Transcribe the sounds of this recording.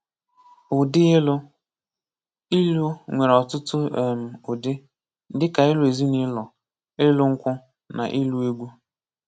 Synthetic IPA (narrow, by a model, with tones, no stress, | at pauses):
ʊ˨dɪ˦e˦lʊ˦ | i˦lu˦ŋʷe˨ɾɔ˨tʊ˦tʊ˦e˨m̩˨ʊ˨dɪ˦ | dɪ˦ka˨ɪ˦lʊ˨e˨zi˦ni˦lɔ˨ | ɪ˦lʊ˦ŋ̩˦kʷʊ˦ | na̰˨ʔɪ˦lu˦i˦ɡʷu˦